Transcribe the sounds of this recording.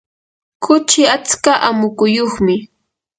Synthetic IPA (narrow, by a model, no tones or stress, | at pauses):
kʊt͡ʃɪat͡skaʔamʊkʊjoχmɪ